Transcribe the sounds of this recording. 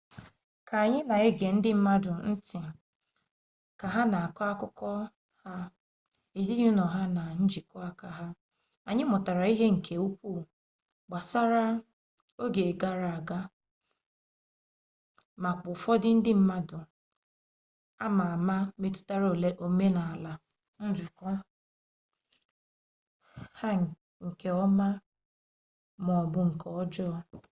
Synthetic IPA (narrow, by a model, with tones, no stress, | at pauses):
ka˨a˨ɲɪ˦na˨e˦ɡe˨n̩˦dɪ˦m̩˦ma˦dʊ˨n̩˦tɪ˨ | ka˨ɦa˦na˨a˨ka˦a˦kʊ˦kɔ˦ | ha˦ | e˨zi˦ɲu˦nɔ˨ɦa˦na˨n̩˦d͡ʒi˨kɔ˦a˦ka˨ɦa˦ | a˨ɲɪ˦mʊ˨ta˨ɾa˨i˦ɦe˦ŋ̩˨kʰe˨u˦kʷu˦˨ | ɡ͡ba˨sa˦ɾa˦ | o˦ɡe˨ɡa˦ɾa˨a˨ɡa˦ | ma˨k͡pʊ˨fɔ˦dɪ˦n̩˦dɪ˦m̩˦ma˦dʊ˨ | a˦ma˨a˨ma˦me˦tʊ̥˦ta˦ɾo˦˨le˦ʔo˦me˦na˨a˨la˨ | n̩˦d͡ʒʊ˨kɔ˦ | ha˦ŋ˨ | ŋ̩˨ke˨ɔ˦ma˦ | mɔ˨bʊ˦ŋ̩˨kɔ˦ɔ˦d͡ʒɔː˦˨